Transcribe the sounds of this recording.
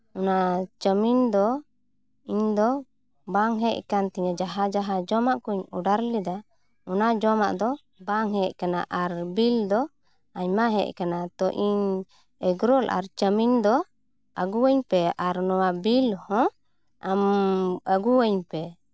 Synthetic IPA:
unat͡ʃəmind̪ɔ | iɲd̪ɔ | baŋɦɛʔkant̪ɛɲad͡ʒaɦad͡ʒaɦad͡ʒɔmaʔkuɲṵɖaɾlid̪a | unad͡ʒɔma̰ʔd̪ɔ | baŋɦɛʔkanaʔaɾbild̪ɔ | aɲmaɦɛ̰ʔkanat̪ɔʔiɲ | ɛɡɾɔlʔa̰ɾt͡ʃəmind̪ɔ | ʔəɡuwəɲpɛaɾnɔwabilhɔ̃ | aməɡuwəɲpɛ

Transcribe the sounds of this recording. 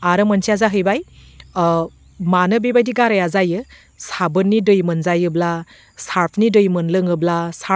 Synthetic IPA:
aɾɯmɐnsʰiazaɦɯjbaj | manɯbibajdiɡaɾajazajɯ | sabɯnːidɯjmɯnzajɯbla | saɾpʰnidɯjmɯnlɯŋɯblasa

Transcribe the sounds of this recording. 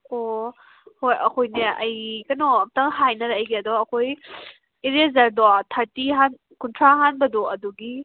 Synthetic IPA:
o | hojɐkʰojneʔɐjkɐnɔɐmtɐŋɦajnɐɾɐjɡiɐdɔɐkʰoj | iɾezɐɾdɔatʰaɾtiɦan | kuntʰɾaɦanbɐdɔɐduɡi

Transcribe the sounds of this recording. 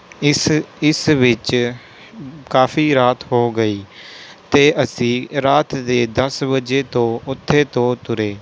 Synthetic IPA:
ɪsʋɪt͡ʃ | kaːfiːɾaːt̪ɦoːɡəiːt̪eːʔəsĩːɾaːt̪d̪eːd̪əsbəd͡ʒeːt̪õːʊt̪ʰːeːt̪õːt̪ʊɾeː

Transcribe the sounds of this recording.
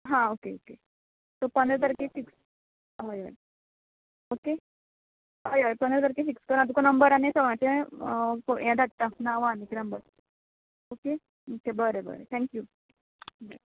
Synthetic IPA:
ɦãokeo̰ke | t̪opənd̪ɾət̪əɾkefiks | ɦojoe | oke | ojojpənd̪ɾət̪̬əɾkefikskəɾãt̪ukonəmbəɾanesəʋãt͡ɕe | kojãd̪at̪t̪ːãnaʋaneknəmbəɾ | oke | okebəɾebə̰ɾḛt̪ʰɛ̃ŋkju

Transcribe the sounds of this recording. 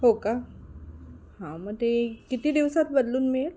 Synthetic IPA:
ɦoka | hãmət̪ekit̪iːd̪iʋsat̪̚bəd̪luːnmel

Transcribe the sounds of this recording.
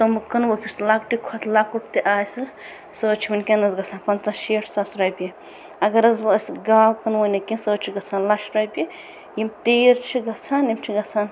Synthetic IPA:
t̪ɐmukɐnwokʰʲuslak̚ʈikʰɔt̪ʰlakuʈ̚t̪eʔaːsɨ | səːt͡ʃʰiwinʲkʲenɐsɡɐt͡sʰãːnpɐnt͡sãʃeʈʰsɐsɾɐjpi | ɐɡɐɾɐzbsɡaːwkɐnwonɐkinsəːt͡ʃʰiɡɐt͡sʰaːnlaʃɾɐjpi | jimt̪eːɾt͡ʃʰiɡɐt͡sʰaːnimt͡ʃʰiɡɐt͡sʰaːn

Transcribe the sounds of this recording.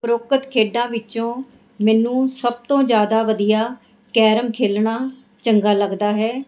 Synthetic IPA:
pɾoːkət̪kʰeːɖãːʋɪt͡ʃõː | mɛːnũːsəb̚t̪õːd͡ʒjaːd̪aːʋəd̪ijaː | kɛːɾəmkʰeːlɳaː | t͡ʃəŋɡaːləɡd̪aːɦɛː

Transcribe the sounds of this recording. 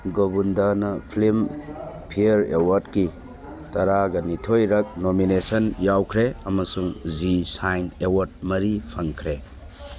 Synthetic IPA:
ɡobundanɐpʰlimpʰiɐɾewɐɾdki | tɐɾaɡɐnitʰojɾɐk̚nominesɐnjawkʰɾeɐmɐsuŋzisajnewɐɾd̚mɐɾipʰɐŋkʰɾe

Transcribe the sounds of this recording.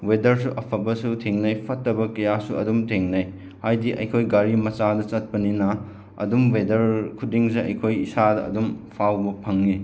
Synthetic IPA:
wedɐɾsuʔɐpʰɐbɐsutʰeŋnɐjpʰɐtːɐbɐkɐjasuɐ̰dumtʰeŋnɐj | hajdiʔɐ̰jkʰojɡaɾimɐt͡ʃadɐt͡ʃɐt̚pɐninɐ | ɐ̰dumwedɐɾkʰudiŋseɐ̰jkʰojisadɐɐ̰dumpʰawbɐpʰɐŋːi

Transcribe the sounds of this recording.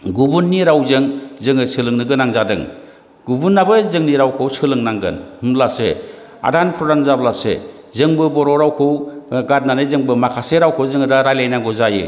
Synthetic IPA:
ɡubunːiɾawzɯŋzɯŋɯsɯlɯŋnɯɡɯnaŋzadɯŋ | ɡ̥ubunːabɯzɯŋniɾawkʰɯwsɯlɯŋnaŋɡɯ̰nhɯmlase | a̰danpʰɾɔdanzablasḛ | zɯŋbɯbɔɾɔɾawkʰɯwɡat̚nanɯzɯŋbɯmakʰaseɾawkʰɯwzɯŋɯdaɾajlajnaŋɡɔzajɯ̰

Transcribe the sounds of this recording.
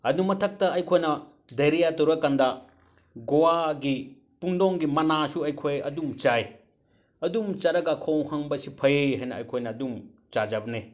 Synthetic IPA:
ɐdumɐtʰɐk̚tɐɐjkʰojnɐ | dɐjɾijatɐwɾɐkandɐ | ɡowaɡi | pundoŋɡimɐnasuɐjkʰojɐ̰dumt͡ʃaj | ɐdumt͡ʃaɾɐɡɐkʰowhɐŋbɐsipʰɐjeɦɐjnɐɐ̰jkʰojnɐːdumt͡ʃad͡ʒɐbɐne

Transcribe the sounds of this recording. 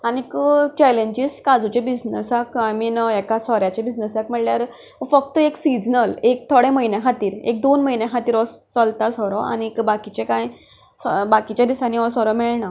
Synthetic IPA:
anikət͡ɕɛleɲd͡ʑiskad͡zut͡ɕẽbid͡znəsakaminɛkasɔɾjat͡ɕebid͡znəsakmiɭljaɾ | fəkt̪əeksid͡znəlek̚t̪ʰoɽẽməjnẽɦat̪iːɾḛk̚d̪onməjnẽɦat̪iːɾɔst͡səlt̪asɔɾɔa̰nikbakit͡ɕekaj | sbakit͡ɕjad̪isanːiɔsɔɾɔmɛɭɳa

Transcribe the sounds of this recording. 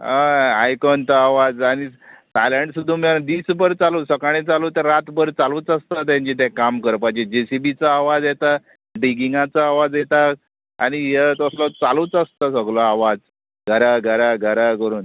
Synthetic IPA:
aajkɔnt̪aaʋad͡zañisajləɳʈsud̪ʱːũmjad̪iːsbəɾt͡saluːsəkaɽ̃ẽt͡saluːt̪əɾɾat̪bəɾt͡saluːt͡səst̪at̪̬jãɲt͡ɕit̪ɛ̃kamkəɾpajd͡ʑed͡ʑesibit͡saːʋad͡zjet̪a | ɖiɡiŋɡãt͡saːʋad͡zjet̪a | a̰ɽ̃ijet̪əslɔt͡saluːt͡səst̪asəɡlɔaʋad͡z | ɡʱəɾaɡʱəɾaɡʱəɾakəɾuːn

